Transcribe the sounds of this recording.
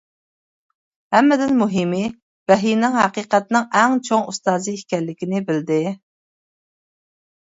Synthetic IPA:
hɛmːɪd̪ɪnmuɦimɪ | bɛɦinɪŋɦɛqiːqɛt̪nɨŋɛŋt͡ʃʰoŋust̪ɑːzɨihkʲɛlːɪkʲinɪbɪld̪ɪ

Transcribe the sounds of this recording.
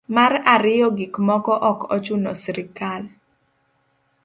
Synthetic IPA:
maɾaɾɪjɔɡikmɔkɔʔɔkɔ̰t͡ʃʊnɔsɾɪkal

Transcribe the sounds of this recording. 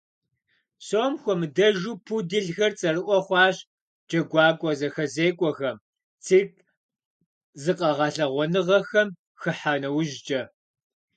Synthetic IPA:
soːmxʷɔmɨdɐʒuːpʰudɨɮxɐrt͡sʼɐrɨʔʷɔχʷɑːɕ | d͡ʒʼɐɡʷɑːkʷʼɔzɐxɐzeːkʷʼɔxɐm | t͡sʰiːk̚ | zɨqʼɐʁɐɬɐʁʷɔnɨʁɐxɐm | xɨħaːnɐwʒt͡ʃʼɐ

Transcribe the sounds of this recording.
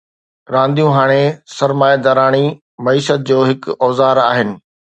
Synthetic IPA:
ɾãːnd̪ijũɦaːɽ̃esɐɾmaːjad̪aːɾaːɽ̃i | mɐiːʃət̪̚d͡ʑoːɦɪkɔːzaːɾaːɦɪnɪ̆

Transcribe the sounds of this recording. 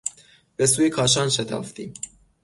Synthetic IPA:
b̥esuːjekʰɒːʃ̬ɒːnʃet̪ʰɒ̰ːft̪ḭːm

